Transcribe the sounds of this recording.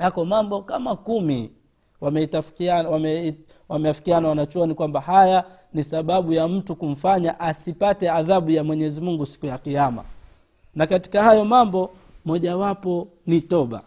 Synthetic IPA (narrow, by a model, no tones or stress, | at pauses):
jakɔmambɔkamakumi | wamɛtafwaɛ | wamɛjafi̥kianawanat͡ʃɔɔnikwambahaja | nisaɓaɓujam̩tukum̩faɲaʔasipatɛaðaɓujamwɛɲɛzimuŋɡusi̥kujakijama̰ | nakati̥kahajɔmambɔ | mɔʄawapɔnitɔɓa̰